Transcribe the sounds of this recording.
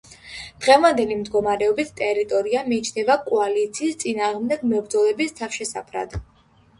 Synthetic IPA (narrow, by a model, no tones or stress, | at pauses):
d̪̥ʁɛvand̪ɛlimd̪ɡɔmaɾɛɔbit̪ʰt̪ʼɛɾit̪ʼɔɾiamiːt͡ʃʰnɛbakʼɔalit̪sʰiːst̪sʼinaːʁmd̪ɛɡmɛvɾd̪zɔlɛbist̪ʰafʃɛsa̰pʰɾa̰d̪